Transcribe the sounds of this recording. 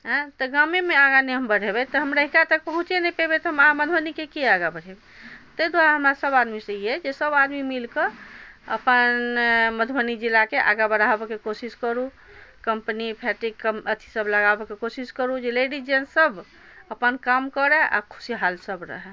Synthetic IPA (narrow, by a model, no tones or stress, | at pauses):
ɦt̪ɔɡamemeaɡaneɦəmbəɽebɛt̪ɔɦəmɾəɦikat̪ək̚pəɦũt͡ʃenɛpebet̪ɔɦəmaaməd̪ʱbənikekeaɡabəɽʱebe | t̪əjd̪waɾaɦəmɾasəbad̪misə̃iɦɛd͡ʒesəbad̪mimilkəə̰pənməd̪ʱbənid͡ʒilakeʔa̰ɡabəɽabekekosiskəɾu | kəmpənipʰɛʈikəmət̪ʰi̥səbləɡabekekosiskəɾud͡ʒeleɖid͡ʒensəbʱ | əpənkamkəɾɛa̰kʰu̥siɦalsəbɾə̰ɦɛ